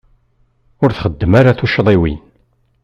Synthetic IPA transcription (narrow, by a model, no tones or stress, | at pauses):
ʊɾθχəd̪ːəmaɾaθuʃðˤiwḭn